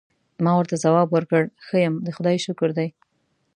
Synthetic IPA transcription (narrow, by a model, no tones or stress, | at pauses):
mɑwəɾt̪azawɑbwəɾkəɽxəjəmd̪əxʊd̪ɑjʃʊkʊɾd̪aj